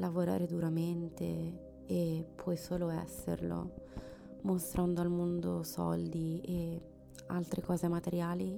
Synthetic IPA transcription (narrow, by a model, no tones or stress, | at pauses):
lavoɾa̰ːɾed̪uɾament̪ḛ | epʰːwɔjsoːloɛ̰sːḛrlo̰ | most̪ɾʔand̪oalmond̪osɔ̰ld̪ie | a̰lt̪ɾʔekɔːzemat̪eɾjaːli